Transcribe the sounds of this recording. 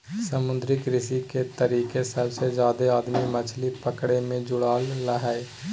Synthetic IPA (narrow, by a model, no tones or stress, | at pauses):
sɐmʊ̃nd̪ɾɪkɾɪsiket̪ɐɾiːkesəbsed͡ʒjaːd̪eaːd̪mimɐt͡ʃʰlipɐkɽemẽd͡ʒʊɽaːlːəɦae